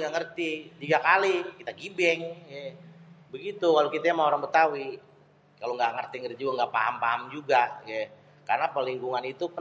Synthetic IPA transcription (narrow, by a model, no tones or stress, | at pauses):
ŋɡaŋərt̪it̪iɡakalikit̪aɡibɛŋjɛbəɡit̪ukalokit̪aamaoɾaŋbət̪awi | kaloŋɡaŋərt̪iŋərd͡ʒiaŋɡapaɦampaamd͡ʒuɡajɛ | karnapəliŋkuŋanit̪upə